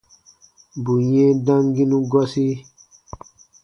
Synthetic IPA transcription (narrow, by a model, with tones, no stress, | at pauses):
bu˨jɛ̃˦dã˦ŋɡi˦nũ˦ɡwa˦si˦